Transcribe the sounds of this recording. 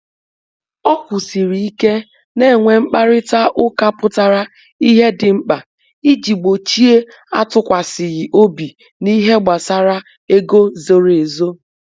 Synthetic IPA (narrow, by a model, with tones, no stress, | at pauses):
ɔ˦kʊ˨si˨ɾi˨i˦ke˦ | ne˦˨ŋʷe˨ŋ͡m̩˦k͡pa˦ɾɪ˦ta˦ʔʊ˦ka˦pʊ˦ta˨ɾa˦ | i˦ɦe˦dɪ˨ŋ͡m̩˦k͡pa˨ | i˦d͡ʒi˨ɡ͡bo˨t͡ʃi˦e˦ | a̰˦tʊ˦kʷa˨sɪ˨ɣɪ˨ʔo˦bi˨ | ni˦ɦe˦ɡ͡ba˨sa˦ɾa˦ | e˦ɡo˦zo˨ɾe˨zo˦